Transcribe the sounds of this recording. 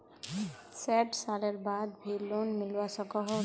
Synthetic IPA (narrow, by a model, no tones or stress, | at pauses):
sɛʈsaleɾbad̪bʱilːonmilwasʌkɔɦ